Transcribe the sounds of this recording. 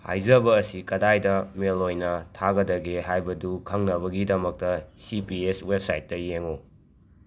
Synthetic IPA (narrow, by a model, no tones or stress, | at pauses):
ha̰jzɐbɐːsikɐdajdɐmelojnɐtʰaɡɐdɐɡeɦajbɐdukʰɐŋnɐβɐɡidɐmɐk̚tɐsipieswep̚sajt̚ːɐjeŋo